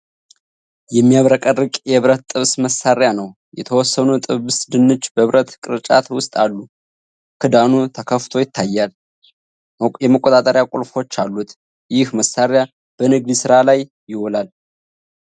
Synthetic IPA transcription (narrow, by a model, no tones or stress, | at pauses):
jɛmːijaβɾəkʼərːɨkʼjɛβɾət̪t̪ʼːɨβsməsːaɾjanəw | jɛ̰t̪ʰəwɔsːənut̪ʼɨβɨsd̪ɨnːɨt͡ʃːbəβɾʔət̪kʼɨɾɨt͡ʃʼa̰t̪wʊst̪ʼalːu | kʰɨd̪anut̪ʰəkʰəft̪ʰo̞jɪt̪ʰːajːal | jɛməkʼːot̪ʼat̪ʼəɾjakʼulfo̞t͡ʃːalːut̪ | jɪhməsaɾja | b̥ənɨɡd̪isɨɾalaj | jɪholal